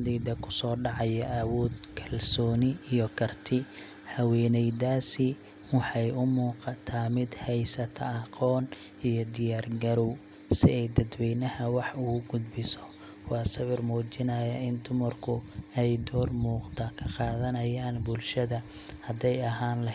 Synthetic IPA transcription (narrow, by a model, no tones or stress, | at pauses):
d̪ɛjd̪ɐkʰʊ̥sɔːɖɑʕɑjɐʔɐwɔːd̪kʰɐlsɔːnɪijɔkʰɐrt̪ʰɪ | hɐwɛːnɛjd̪aːsɪ | wɑħɑjʊmuːqɑt̪ʰaːmɪd̪hɛjsɐt̪ʰɐːqʰɔːn | ijɔd̪ɪjaːrɡɐɾɔw | sɪɛjd̪ɐd̪wɛjnɐhɐwɑħʊɣʊɡʊd̪bɪsɔ̥ | wɑːsɐβɪrmuːt͡ʃɪnɐjɐɪnd̪ʊmɐrkʰʊɛjd̪ɔːrmuːqd̪ɐkʰɐqɑːðɐnɐjaːnbʊlʃɐðɐ | hɐd̪ɛjɐɦaːnlɐ